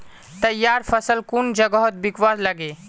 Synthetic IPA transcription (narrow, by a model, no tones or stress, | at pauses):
t̪ɐjːaːɾfəsəlkund͡ʒɐɡəɦɔt̪̚bɪkʋaːzlɐɡeː